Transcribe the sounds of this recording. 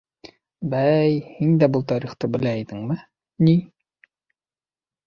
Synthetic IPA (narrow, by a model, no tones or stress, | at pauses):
bæjhind̪æbɤlˠt̪ɑɾiχt̪ɤbɘ̆læiðɘŋmɘ | ni